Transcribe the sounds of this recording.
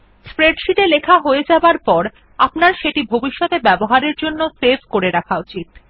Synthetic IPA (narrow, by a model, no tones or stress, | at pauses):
spɾeɖʃiʈelekʰaɦoed͡ʑabaɾpɔɾ | apnaɾʃeʈibʱobiʃːɔt̪ebɛboɦaɾeɾd͡ʑonːosebʱkoɾeɾakʰaut͡ɕit̪̚